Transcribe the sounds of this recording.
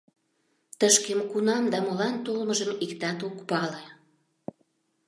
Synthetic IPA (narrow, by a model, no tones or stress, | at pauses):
t̪əʃkemkunɑmd̪ɑmolɑnt̪olməʒəmikt̪ɑt̪ukpɑle